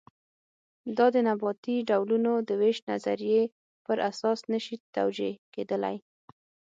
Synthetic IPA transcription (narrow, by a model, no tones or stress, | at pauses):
d̪ɑd̪ənabɑt̪iɖawlunod̪əweʃna̰zaɾije | pəɾʔasɑsnəʃit̪a̰wd͡ʒeked̪əla̰j